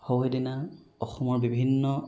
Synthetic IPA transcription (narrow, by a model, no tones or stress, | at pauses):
howɦedinaɔxɔmɔɹbibʱinːɔ